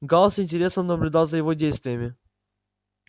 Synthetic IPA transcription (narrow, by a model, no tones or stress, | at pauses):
ɡalˠəsɪnʲtʲɪɾʲe̞səmnəblʲʊd̪ɑlˠzəjɪvodʲejst̪vʲɪjəmʲɪ